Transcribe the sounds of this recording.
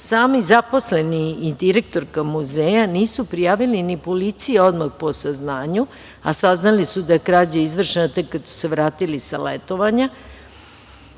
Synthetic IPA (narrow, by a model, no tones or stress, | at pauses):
saːmizapo̞sle̞niid̪iɾe̞k̚t̪o̞ɾkamuzeːjaniːsupɾijaːʋilinipolit̪sijeo̞d̪maxpo̞saznaːɲu | a̰saznalisud̪akɾaːd͡ʑaizʋr̩ʃenat̪ekːad̪su̥se̞ʋɾaːt̪ilisa̰lḛt̪o̞ʋaɲa